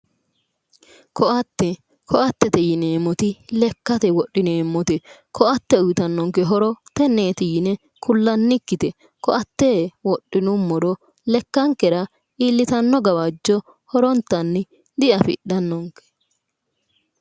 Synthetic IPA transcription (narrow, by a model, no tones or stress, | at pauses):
kʰɔʔɐt̪ːɛ | kʰɔʔɐt̪ːɛt̪ɛjɪneːmːɔt̪ɪlɛkːɐt̪ɛwɔɗːɪneːmːɔt̪ɛkʰɔʔɐt̪ːɛʊjɪt̪ɐnːɔŋkɛɦɔɾɔt̪ɛnːeːt̪ɪjɪnɛ | kʰʊlːɐnːɪkːɪt̪ɛ | kɔʔɐt̪ːewɔɗːɪnʊmːɔɾɔ | lɛkːɐŋkːɛɾɐ | iːlːɪt̪ɐnːɔɡɐwɐd͡ʒːɔ | hɔɾɔnt̪ːɐnːɪ | d̪ɪɐfɪ̰ɗɐnːɔŋkːɛ̥